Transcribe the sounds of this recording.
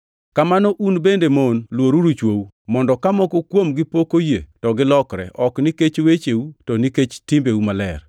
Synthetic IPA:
kamanɔʔunbendemonlwoɾuɾut͡ʃwowu | mɔndɔkamɔkokwomɡɪpokojetɔɡɪlɔkɾɛ̰ʔɔkniket͡ʃwet͡ʃewutɔniket͡ʃtɪmbewumalɛr

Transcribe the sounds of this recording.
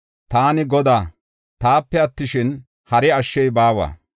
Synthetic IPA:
t̪aːnɪɡɔd̪aː | t̪aːpːɛɐt̪ːɪʃɪn | hɐɾɛɐʃːɛjbaːwa̰ː

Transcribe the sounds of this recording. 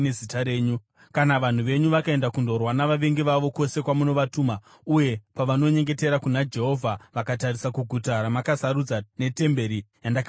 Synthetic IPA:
nezitaɾeːɲu | kanaʋan̤uʋe̞ɲuʋakae̞ndakundo̞rwanaʋaʋe̞ŋɡiʋaʋo̞ko̞se̞kwamuno̞ʋatuːma | uje̞paʋano̞ɲe̞ŋɡe̞te̞ɾakunad͡ʒe̞ɦo̞vʱaʋakatarisakuɡʱutaɾamakasaɾud͡zane̞te̞mbe̞ɾijandakː

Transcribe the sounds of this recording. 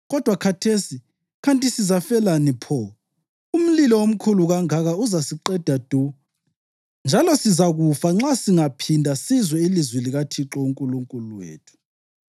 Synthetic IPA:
ɣɔd̥ʱwakʰatʰesi | kʰantʼisizafɛlanipʰɔ | um̩lilɔwom̩kʰuluɣaŋaɣauzasiǃɛd̥ʱad̥ʱu | nd͡ʒʱalɔsizaɣufaŋ͡ǁasiŋapʰindʱasizwɛilizwɛliɣatʰiǁɔuŋkʼuluŋkʼuluwḛːtʰu̥

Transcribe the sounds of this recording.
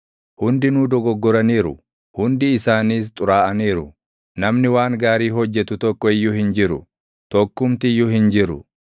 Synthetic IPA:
hʊnd̪ɪnuːd̪ɔɡɔɡːɔɾɐniːɾʊ̰ | hʊnd̪ɪːsaːniːs̬t̪ʼʊɾaːʔɐniːɾʊ | nɐmnɪwaːŋɡaːɾiːɦɔd͡ʒːɛt̪ʊt̪ɔkːɔɪjːʊhɪnd͡ʒɪɾʊ | t̪ɔkːʊmt̪ɪɪjːʊhɪnd͡ʒɪɾʊ̰

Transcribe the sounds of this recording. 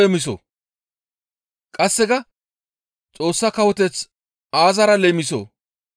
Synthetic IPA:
emɪs̬o̰ | kʼɐsːɛɡɐ | t͡sʼo̞ːsːɐkɐwɔt̪ɛt͡s | aːzɐɾɐleːmɪso̰

